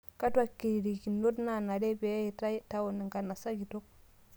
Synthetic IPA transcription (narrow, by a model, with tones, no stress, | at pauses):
ka˦twa˦˨kːi˨ɾi˨ki˨nːo˦dna˨na˨ɾe˦be˨˦je˨ta˦ta˦wo˨ne˨ŋɡa˨na˨sa˦ɡi˨to˦k̚